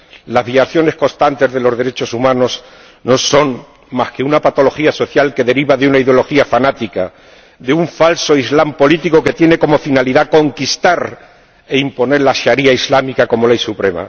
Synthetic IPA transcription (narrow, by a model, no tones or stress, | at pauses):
lazβjaθjo̞ne̞sko̞st̪ant̪ezðe̞lo̞zðe̞ɾet͡ʃo̞sumãno̞s | no̞so̞n | maske̞unapat̪o̞lo̞xiaso̞θjalke̞ðe̞ɾiβaðeunaiðeolo̞xiafanat̪ika | ðeuɱfalso̞izlampo̞lit̪iko̞ke̞t̪je̞ne̞ko̞mo̞finaliðako̞ŋkist̪aɾ | e̞impo̞ne̞ɾlaʃaɾiaizlamikako̞mo̞lejsupɾema̰